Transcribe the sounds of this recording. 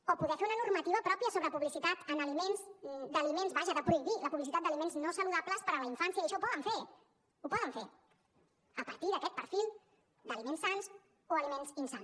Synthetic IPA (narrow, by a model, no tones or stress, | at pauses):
opuðɛfeunənurmət̪iβ̞əpɾɔpiəsoβɾəpuβlisit̪at̪ənəlimenzd̪əlimenzβaʒəðəpɾuiðiləpuβlisit̪at̪̚d̪əlimenznosəluðapləspəɾələiɱfansiəjəʃɔupɔðəɱfe | upɔðəɱfe | əpəɾt̪iðəkɛt̪̚pəɾfilˠ | d̪əlimensːans | oəlimenzinsan